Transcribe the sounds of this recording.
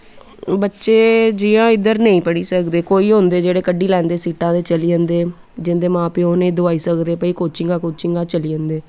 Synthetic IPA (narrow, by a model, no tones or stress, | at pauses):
bətːʃeːd͡ʒiːãːɪd̪əɾnəĩːpəɽiːsəkd̪eːkoːiːɦõːnd̪eːd͡ʒeːɽeːkəɖiːlɛ̃ːnd̪eːsiːʈãːd̪eːt͡ʃəliːə̃nd̪eː | d͡ʒɪnd̪eːmãːpiːoːnẽĩːd̪ʊaːiːsəkd̪eːpəiːkoːt͡ʃɪŋɡaːkoːt͡ʃɪŋɡaːt͡ʃəliːə̃nd̪eː